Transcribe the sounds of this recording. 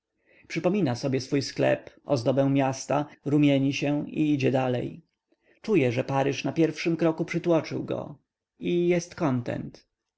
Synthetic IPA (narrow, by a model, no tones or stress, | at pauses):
pʂɘpɔmʲinasɔbʲjɛsfujsklɛ̰pɔ̰zd̪ɔbɛ̃w̃mʲjast̪aɾumʲjɛɲiɕɛwḭid͡ʑɛd̪alɛ̰j | t͡ʂujɛʐɛpaɾɘʂnapʲjɛɾfʂɘmkɾɔkupʂɘt̪wɔt͡ʂɘ̰wɡɔ̰ | ijɛst̪kɔnt̪ɛ̰nt̪